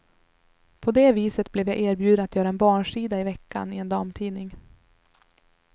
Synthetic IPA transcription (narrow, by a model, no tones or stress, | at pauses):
pʰɔd̪ɛːviːsət̪̚blɛvjaɡʔeːɾbjʉd̪ənat̪jœːɾaɛnbɑːɳʂiːd̪aɪvɛkːa̰nɪɛnd̪ɑːmt̪ʰiːnɪŋ